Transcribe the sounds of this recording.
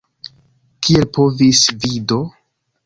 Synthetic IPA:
kʰielpo̞visvido̞

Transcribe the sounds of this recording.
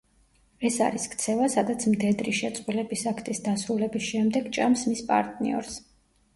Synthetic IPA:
ɛsa̰ɾiskʰt̪sʰɛvasad̪at̪sʰmd̪ɛd̪ɾiʃɛt̪sʼqʼulɛbisakʰt̪ʼisd̪asɾulɛbisʃɛmd̪ɛɡt͡ʃʼamsmispʼa̰ɾt̪ʼnḭɔ̰ɾs

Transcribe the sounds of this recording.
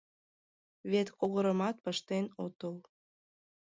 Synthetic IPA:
βet̪koɣəɾəmɑt̪̚pəʃt̪enot̪əl

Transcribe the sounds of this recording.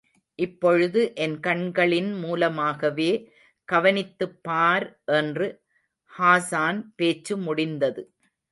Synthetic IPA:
ʔɪpːɔɻɯðɯʔɛnkɐɳɡɐɭɪnmuːlɐmaːɣɐʋeː | kɐʋɐnɪt̪ːɯpːaːɾʔɛndrɯ | haːsaːnpeːt͡ʃːɯmʊɽɪnd̪ɐðɯ

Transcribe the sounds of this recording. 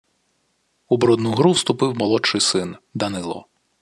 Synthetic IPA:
ubɾɔd̪nuɦɾuwst̪ʊpɪwmɔlˠɔt͡ʃɪjsɪnd̪ɐnɪlˠɔ̰

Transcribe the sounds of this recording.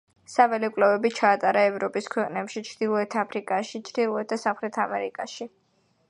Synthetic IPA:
savɛlikʼlɛvɛbit͡ʃʰaːt̪ʼaɾaɛvɾɔpʼiskʰwɛqʼnɛpʃit͡ʃʰɾd̪̥ilˠɔɛt̪ʰapʰɾikʼaʃit͡ʃʰɾd̪ilˠɔɛt̪̚d̪asamχɾɛt̪ʰamɛɾikʼaʃi

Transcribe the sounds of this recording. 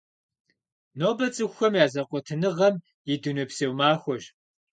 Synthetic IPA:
noːbɐt͡sʼɨxʷxʷɐmjaːzɐqʷʼɔtʰɨnɨʁɐm | jɪdunupseːwmaːxʷɔʒ

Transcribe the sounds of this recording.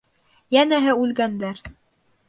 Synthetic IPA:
jænæɦɘʉlɡænd̪æɾ

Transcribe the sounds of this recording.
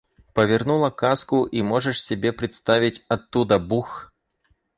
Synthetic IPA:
pəvʲɪrnulˠɐkaskʊʔimoʐɨʂsʲɪbʲepɾʲɪt̪st̪avʲɪtʲɐt̪ːud̪əbux

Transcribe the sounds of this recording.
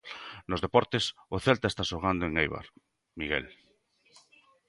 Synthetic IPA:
nozðepɔɾt̪esoθelt̪aest̪aʃoɣ̞and̪oẽŋejβa̰ɾ | miɣɛ̰l

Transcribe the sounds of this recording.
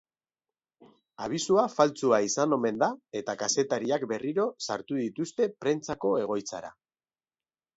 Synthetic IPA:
aβ̞isuafalt͡suaisano̞me̞nd̪ae̞t̪akase̞t̪aɾiakbe̞riɾo̞saɾt̪uðit̪ust̪e̞pɾe̞nt͡sako̞e̞ɣ̞o̞jt͡saɾa̰

